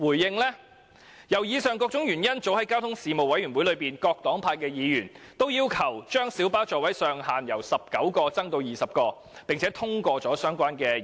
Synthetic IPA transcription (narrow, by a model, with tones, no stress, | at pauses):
wuː˨˩jːɪ˨ŋlɛ˥ | jɐ˨˩wjiː˨˧sœː˨ŋkɔː˧k̚t͡sʊ˨˥ŋjyː˨˩njɐ˥nt͡so˨˥whɐ˨˥jkaː˥wt̪ʰʊ˥ŋsiː˨˧mo˨wɐ˨˥jɥyː˨˩nwu˨˥lɵ˨˧piː˨nkɔː˧k̚t̪ɔː˨˥ŋpʰaː˧kɛː˧jiː˨˧jyː˨˩n | t̪o˥wjiː˧˥wkʰɐ˨˩wt͡ʃœː˥ŋsiː˨˥wpaː˥wt͡ʃɔː˨wɐ˨˥jsœː˨ŋhaː˨njɐ˨˩wsɐ˨p̚kɐ˨˥wkɔː˧t͡sɐ˥ŋt̪o˧wjiː˨sɐ˨p̚kɔː˧ | pɪ˨ŋt͡sʰɛː˨˥t̪ʰʊ˥ŋkɔː˧t͡sɔː˨˥sœː˥ŋkʷaː˥nkɛː˧